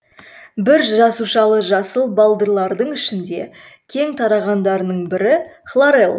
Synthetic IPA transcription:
bɪɾʒɑsuʃɑlˠəʒɑsəlˠbɑlˠd̪əɾlˠɑɾd̪əɴɪʃɪnd̪e̞ | kʲʰe̞ŋt̪ʰɑɾɑʁɑnd̪ɑɾənəɴbɪɾɪχlˠaɾelˠ

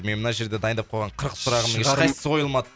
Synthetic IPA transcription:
me̞nmənɑʒe̞ɾd̪e̞d̪ɑjənd̪ɑp̚qʰolʁɑɴqʰəɾəqsʊɾɑʁəməŋʃqɑjsə̥so̞jəlˠmɑd̪ə

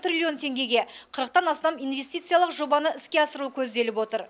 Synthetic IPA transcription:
t̪ɾʲrʲilʲio̞nt̪ʰe̞ŋɡʲe̞ɡʲe̞qʰəɾəq̚t̪ɑnɑst̪ɑmijnve̞st̪ijt̪sɨjalˠəqʒo̞bɑnəɪskʲe̞ɑsəɾukʲʰɵzd̪e̞lɪpwo̞t̪əɾ

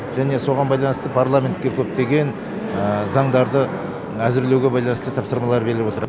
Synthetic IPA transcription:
ʒ̥æne̞so̞ʁɑnbɑjlˠɑnəst̪əpʰarlˠamʲe̞nt̪̚kʲe̞kʲʰɵp̚t̪e̞ɡʲe̞n | zɑɴd̪ɑɾd̪ə | æzɪɾle̞wɡʲe̞bɑjlˠɑnəst̪ət̪ʰɑpsəɾmɑlˠɑɾbeɾɪlɪpwot̪əɾ

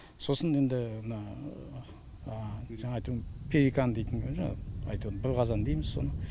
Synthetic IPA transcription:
so̞səne̞nd̪ɪmənɑ | ʒɑɴɑːjt̪upʰeɾikand̪ejt̪ɪŋkʰʲønʒɑ̰ɑ̰jt̪ud̪əbɪɾʁqʰɑzɑnd̪ejmɪz̥so̞̰nə

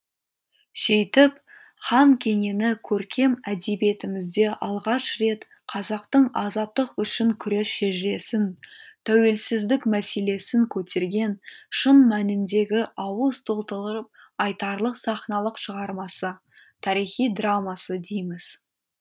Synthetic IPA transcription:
ʃejt̪ɪp | χɑŋkʲʰe̞ŋe̞nɪkʲʰɵɾkʲe̞mæd̪ebe̞t̪ɪmɪzd̪e̞ʔɑlˠʁɑʃɾe̞t̪ | qʰɑzɑqt̪əɴɑzɑt̪ːəqʏʃɪŋkʲʰʏɾe̞sʃe̞ʒɪɾe̞sɪnt̪ʰæwe̞lsɪzd̪ɪkmæse̞le̞sɪŋkʲʰɵt̪e̞ɾɡʲe̞nʃənmænɪnd̪e̞ɡʲɪʔɑwəst̪olˠt̪lˠɾəp̚ | ɑjt̪ɑɾlˠəqsɑχnɑlˠəqʃəʁɑɾmɑsə | t̪ʰɑɾijχijd̪ramɑsəd̪ejmɪz̥

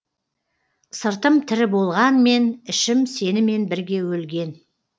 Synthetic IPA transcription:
səɾt̪əmt̪ʰɪɾɪbo̞lˠʁɑnme̞nɪʃɪmse̞nɪme̞nbɪɾɡʲe̞wɵlɡʲe̞n

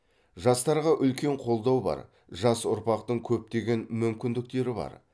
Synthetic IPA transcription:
ʒɑst̪ɑɾʁɑʔʏlkʲe̞ɴqʰo̞lˠd̪ɑwbɑ̰ɾ | ʒɑsʊɾpɑqt̪əɴkʲʰɵp̚t̪e̞ɡʲe̞nmʏmkʲɪnd̪ɪk̚t̪e̞ɾɪbɑ̰ɾ

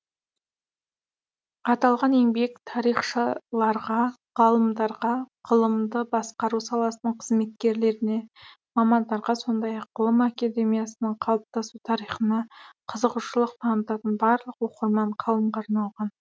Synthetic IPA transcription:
ɑt̪ɑlˠʁɑne̞ŋbe̞kt̪ʰɑɾijχʃəlˠɑɾʁɑ | ʁɑlˠəmd̪ɑɾʁɑqʰəlˠəmd̪əbɑsqɑɾusɑlˠɑsənəɴqʰəzme̞t̪̚kʲe̞ɾle̞ɾɪne̞ | mɑmɑnd̪ɑɾʁɑso̞nd̪ɑjɑqːʰəlˠəmakad̪e̞mijasənəɴqʰɑlˠp̚t̪ɑsut̪ʰɑɾijχənɑqʰəzəqʊʃəlˠəq̚t̪ʰɑnət̪ɑt̪ənbɑɾlˠəqwo̞qəɾmɑɴqʰɑlˠəmqɑɾnɑlˠʁɑn

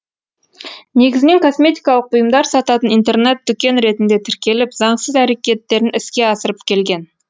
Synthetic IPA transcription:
ne̞ɡʲɪzɪne̞ŋkʰo̞sme̞t̪ijkɑlˠəqʊjəmd̪ɑɾsɑt̪ɑt̪ənijnt̪e̞rne̞t̪̚d̪ʏkʲe̞nɾe̞t̪ɪnd̪e̞t̪ʰɪɾkʲe̞lɪpzɑɴsəzæɾe̞kʲe̞t̪ːe̞ɾɪnɪskʲe̞ɑsəɾəpkʲʰe̞lɡʲe̞n

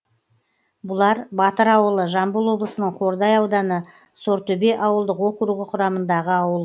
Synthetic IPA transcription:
bʊlˠɑɾbɑt̪əɾɑwəlˠəʒɑmbəlˠwo̞blˠəsənəɴqʰo̞ɾd̪ɑjɑwd̪ɑnə | so̞ɾt̪ɵbe̞ʔɑwəlˠd̪əqwo̞kʊɾuɡʲɪqʰʊɾɑmənd̪ɑʁəɑwəlˠ

